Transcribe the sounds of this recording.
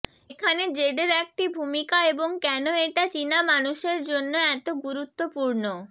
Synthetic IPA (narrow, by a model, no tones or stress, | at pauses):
ekʰaned͡ʑeɖeɾɛk̚ʈibʱumikaeboŋkɛnoeʈat͡ɕinamanuʃeɾd͡ʑonːoɛt̪oɡuɾut̪ːopuɾno